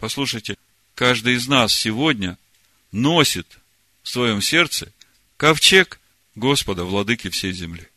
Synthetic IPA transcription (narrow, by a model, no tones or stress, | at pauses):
pɐslˠuʂəjtʲɪ | kaʐd̪ɨjɪznasːʲɪvo̞dʲnʲə | nosʲɪt̪ | fsvɐjo̞msʲe̞rt̪sɨ | kɐft͡ɕek | ɡo̞spəd̪əvlˠɐd̪ɨkʲɪfsʲejzʲɪmlʲi